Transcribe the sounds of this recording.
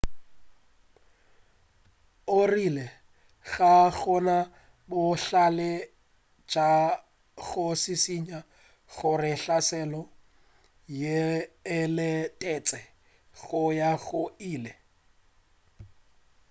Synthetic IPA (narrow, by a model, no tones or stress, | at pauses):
ʊrilɛ | ɣaɣɔna | bʊɬalɛ | t͡ʃa | ɣʊsɪsiɲa | ɣʊrɪɬasɛlɔ | jeː | lɪtʼɛt͡sʼɛ | ɣʊjaɣʊiːlɛ